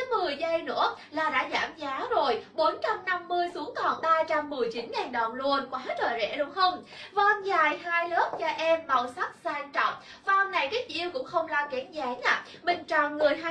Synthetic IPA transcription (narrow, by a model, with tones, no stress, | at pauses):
mɨ˨˩əjzə˧jnɨ̰˧˥əlaː˨˩ɗa̰ː˧˥zaː˧˩mzaː˨˦zo˨˩jɓo˨˦nt͡ɕa˧mna˧mːɨ˧əjsu˨˦əŋkɔ˨˩nɓaː˧t͡ɕa˧mːɨ˨˩əjt͡ɕi˨˦nŋaː˨˩nɗə˨˩wŋ͡mlu˧ənkwaː˨˦t͡ɕəː˨˩zɛ̰˧˥lʊ˨˧˦ŋ͡mhə˧wŋ͡mvaː˧nzaː˨˩jhaː˧jlɨ˦˥ək̚t͡ɕa˧ʔɛ˧mɓa˨˩wsa˦˥k̚saː˧nt͡ɕɔ̰˨˧˨wŋ͡m | vaː˨ʔwŋ͡mna˨˩jki˦˥ʔi˧əwkʊ̰˧˥ŋ͡mxə˧wŋ͡mlaː˧kɛ˨˦nzaː˨˦aː˨˩ | mï˨˩ŋ̟t͡ɕɔ˨˩nŋɨ˨˩əjɦa˧